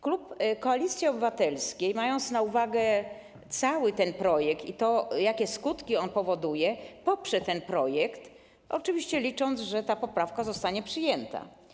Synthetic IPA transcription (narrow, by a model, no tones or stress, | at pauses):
klupkɔalʲit̪sʲjiɔbɘvat̪ɛlskʲejmajɔnt̪snauvaɡɛ | t̪sawɘt̪ɛnpɾɔjɛkt̪ḭt̪ɔjakʲɛskut̪kʲiɔnpɔvɔd̪ujɛpɔpʂɛt̪ɛnpɾɔjɛkt̪ | ʔɔt͡ʂɘvʲiɕt͡ɕɛlʲit͡ʂɔnd̪zʐɛt̪apɔpɾafkazɔst̪aɲɛpʂɘjɛnt̪a̰